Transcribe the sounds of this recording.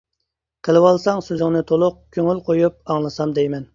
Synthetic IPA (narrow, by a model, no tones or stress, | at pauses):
qʰəlˠɨwɑlˠsɑŋsøzɪŋnɪt̪ʰolˠʊq̚kʲʰøŋylqʰojup̚ɑŋlˠɨsɑmd̪ɛjmɛn